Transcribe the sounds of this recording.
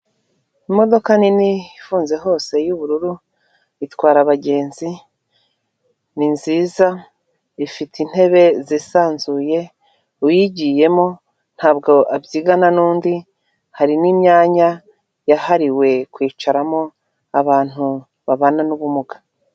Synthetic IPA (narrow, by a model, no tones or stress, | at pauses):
imo̞do̞kaniniifuːnze̞ɦo̞ːse̞juβuɾuɾu | itwaːɾaβaɟe̞ːnzi | ninziːza | ifitin̥he̞βe̞zisaːnzuːje̞ | ujiɟiːje̞mo̞ | n̥haːb̚ɡo̞ʔabjiːɡananuːndi | haɾiniːmɲaːɲa | jahaɾiwe̞kwiːt͡ʃaɾamo̞ | aβaːn̥hu | βaβananuβumuɡḁ